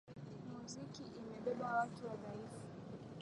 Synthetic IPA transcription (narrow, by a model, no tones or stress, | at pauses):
muzikiʔimɛɓɛɓawatuwaðaifu̥